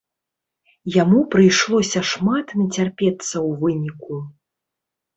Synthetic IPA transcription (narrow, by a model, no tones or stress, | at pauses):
jamupɾɨjʂlˠɔsʲɐʂmat̪nʲɐt͡sʲarpʲɛt̪sːɐwvɨnʲiku